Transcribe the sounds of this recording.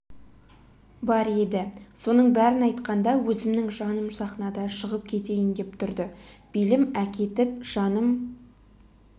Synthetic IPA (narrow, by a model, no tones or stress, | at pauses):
bɑɾe̞d̪ɪso̞nəɴbæɾɪnɑjt̪qɑnd̪ɑwɵzɪmnɪŋʒɑnəmsɑχnɑd̪ɑʃəʁəp̚kʲʰe̞t̪e̞jɪnd̪e̞pt̪ʰʊɾd̪əb̥elɪmækʲe̞t̪ɪp̚ʒ̥ɑnəm